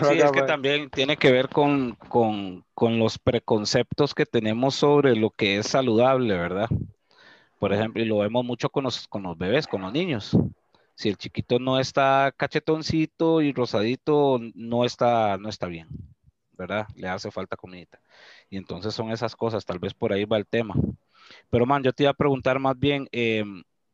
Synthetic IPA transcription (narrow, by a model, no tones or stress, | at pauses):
siesket̪ambje̞nt̪je̞ne̞ke̞βe̞ɾko̞ŋkoŋkonlo̞spɾe̞ko̞nse̞pt̪oske̞t̪e̞ne̞mo̞so̞βɾe̞lo̞ke̞esaluðaβle̞βe̞ɾða | po̞ɾe̞xe̞mploilo̞βe̞mo̞zmut͡ʃo̞konlosko̞nlo̞zbe̞β̞e̞skonloznĩɲo̞sː | ie̞lt͡ʃikit̪o̞no̞e̞st̪akat͡ʃe̞t̪o̞nsit̪oiro̞saðit̪ono̞e̞st̪ano̞e̞st̪aβje̞ŋ | be̞ɾðale̞ase̞falt̪akomeit̪ḁ | ie̞nt̪o̞nse̞sːo̞ŋe̞sasko̞sast̪albe̞spo̞ɾaiβaelt̪e̞ma | pe̞ɾomãnd͡ʒo̞t̪e̞iβapɾe̞ɣunt̪aɾmazbje̞ŋem